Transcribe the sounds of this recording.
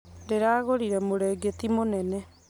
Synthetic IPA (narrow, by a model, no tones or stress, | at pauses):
deɾaːɣoɾiɾɛmoɾɛɡet̪imonɛnɛ